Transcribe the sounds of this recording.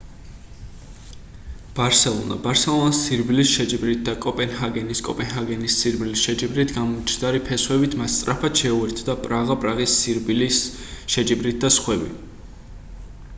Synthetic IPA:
b̥aɾsɛlˠɔ̰na̰baɾsɛlˠɔnsːiɾbilisʃɛd͡ʒibɾit̪̚d̪akʼɔpʼɛnhaɡɛniskʼɔ̰pʼɛnɦaɡɛnisːiɾbilisʃɛd͡ʒibɾit̪ʰɡamɔt͡ʃʰnd̪aɾipʰɛswɛbit̪ʰmast̪sʼɾʔapʰat̪ʃɛuɛɾt̪ʰd̪apʼɾaʁapʼɾaʁisiɾblis | ʃɛd͡ʒibɾit̪̚d̪asχwɛbḭ

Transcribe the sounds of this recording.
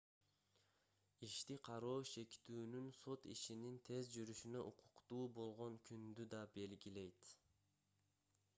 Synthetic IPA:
iʃt̪iqʰɑɾoːʃe̞kt̪yːnynso̞t̪iʃinint̪ʰe̞zd͡ʒyɾyʃynøʔuqʰu̥qt̪uːbo̞lˠʁo̞ŋkʰynd̪yd̪ɑbe̞lɡʲile̞jt̪

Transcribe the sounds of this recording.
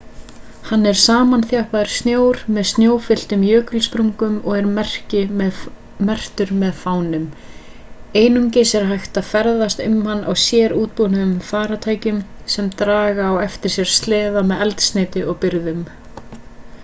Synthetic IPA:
hanːɛɾ̥saːmanθjahpaðɪɾ̥st̪njoːwɾmɛðst̪njoːwfɪl̥t̪ʏmjœːkʏlspɾuŋkʏmɔɣɛɾmɛr̥cɪ | mɛr̥t̪ʏɾmɛðfaːwnʏm | eːjnʏmcejsɛɾɦajxt̪afɛɾðast̪ʏmhanːa̰wsjɛːɾuːt̪̚punʏʏmfaːɾat̪ʰaːjcʏmsɛmt̪ɾaːɣaːwɛft̪ɪɾ̥sjɛɾ̥st̪lɛːðamɛðɛlt̪st̪nɪːt̪ɪʔɔɣpɪɾðʏm

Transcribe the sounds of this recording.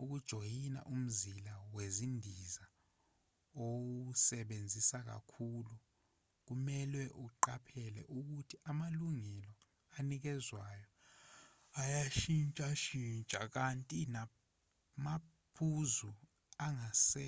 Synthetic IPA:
uk̬ud̥ʒ̥ʱojina̰ʔum̩zilawezindʱiza | owusɛɓend͡zʱisak̬a̰kʰulu | k̬umɛlwɛʔuǃapʰɛlɛ̰ʔuk̬utʰiʔamaluŋɛlɔ | anik̬ɛzwajɔ | ajaʃint͡ʃʼaʃint͡ʃʼak̬antʼina | ma | pʰuzu | aŋasɛ

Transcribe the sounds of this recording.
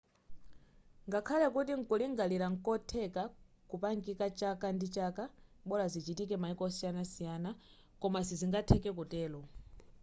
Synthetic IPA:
ŋɡakʰalɛkutiŋ̩kuliŋɡaliɾaŋ̩kɔtʰɛka | kupaŋɡikat͡ʃakandit͡ʃakaɓɔlazit͡ʃitikɛmaikɔɔsijanasijaːna | kɔmasiziŋɡatʰɛkɛkutɛːlɔ

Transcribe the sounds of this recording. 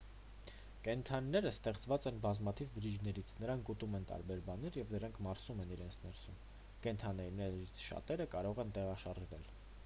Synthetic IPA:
kɛnt̪ʰɑnːɛɾəst̪ɛχt͡svɑt͡sɛnbɑzmɑt̪ʰivbəɾid͡ʒnɛɾit͡sʰnəɾɑŋkut̪umɛnt̪ɑ̰ɾbɛɾbɑnɛɾjɛvnəɾɑŋkʰmɑɾsumɛniɾɛnt͡sʰnɛɾsum | kɛnt̪ʰɑnɛnɛɾit͡sʰʃɑ̰t̪ɛɾəkɑɾɔʁɛnt̪ɛʁɑʃɑrʒvɛl

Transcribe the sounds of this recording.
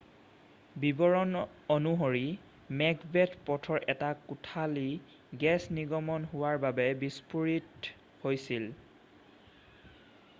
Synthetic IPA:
bibɔɹɔn | onuɦoɹi | mɛɡbɛtpɔtʰɔɹʔɛtakutʰali | ɡɛsniɡɔmɔnɦʊwaɹbabɛbispuɹit | hojsil

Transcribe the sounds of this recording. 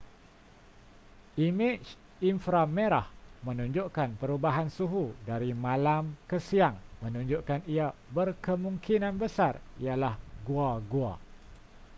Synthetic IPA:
ʔimit͡ʃ | infɾameɾahmə̃nũɲd͡ʒuʔkanpəɾubaɦansuɦudaɾimãlamkəsiaŋmə̃nũɲd͡ʒuʔkaniabərkəmuŋkinãnbəsarijalahɡuaɡua̰

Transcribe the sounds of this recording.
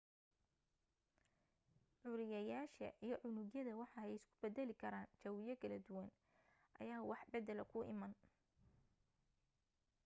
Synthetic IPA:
ʕʊɾɪjɐjaːʃɐ̰ʔijɞʕʊnuɣjɐðɐwɑħɑɛjɪskʰʊ̥bɛd̪ɛlɪkʰɐɾaːnt͡ʃɐwɪjɐkʰɐlɐd̪ʊwɐn | ʔɐ̰jaːwɑħbɛd̪ɛlɐkʰʊʔɪ̰mɐn

